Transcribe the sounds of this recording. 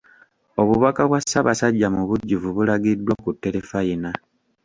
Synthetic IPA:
o̞βuβakaβwasːaβasaɟːamuβuɟːuvuβulaɡidwakutːe̞ɾefajina

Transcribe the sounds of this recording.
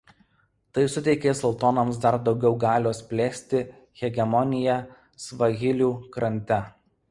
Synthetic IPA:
t̪ɐɪsʊt̪ʲɛɪkʲeːsɔlˠt̪ɔnɐmsd̪ɐɾd̪ɒʊɡʲɛʊɡɑːlʲoːsʲpʲlʲeːsʲt̪ʲɪ | ɣʲɛɡʲɛmɔnʲɪjɛ | sʋɐɣʲɪlʲuːkɾɐnʲt̪ʲɛ

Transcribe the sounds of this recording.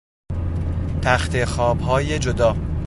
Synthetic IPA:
t̪ʰæxt̪ʰexɒːbɦɒːjed͡ʒod̪ɒː

